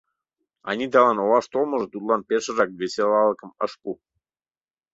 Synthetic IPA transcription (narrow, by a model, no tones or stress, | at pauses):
ɑ̰nʲit̪ɑlɑnolɑʃt̪olməʒɤ̆t̪ut̪lˠɑnpeʃə̆ɾɑk̚βeselɑləkə̆məʃpu